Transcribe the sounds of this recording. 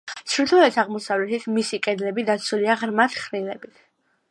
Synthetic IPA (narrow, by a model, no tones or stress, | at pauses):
t̪sʰɾit̪ʰulɛt̪ʰaʁmɔsavlɛt̪ʰit̪ʰmisikʼɛd̪lɛbid̪at̪sʰuliaʁɾmat̪ʰχɾilɛbit̪ʰ